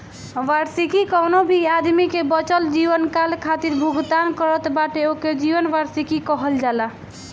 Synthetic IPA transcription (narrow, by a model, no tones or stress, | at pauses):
ʋaɾsikikɔnobʱiad̪mikebət͡ʃəld͡ʒiʋənkalkʰat̪iɾbʱuɡd̪ankəɾət̪baʈeoked͡ʒiʋənʋaɾsikikɔɦəld͡ʒala